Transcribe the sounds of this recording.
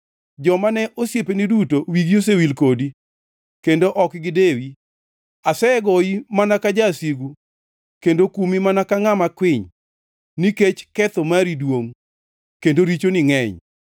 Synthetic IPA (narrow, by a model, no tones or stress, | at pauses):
d͡ʒɔmanɛʔosjepenidutowiɡios̬ewilkodi | kendoʔɔkɡɪdewi | asɛɡɔimanakad͡ʒasiɡu | kendokumimanakaŋamakwɪɲ | niket͡ʃkɛt̪omaɾidwoŋ | kendoɾit͡ʃonɪŋɛɲ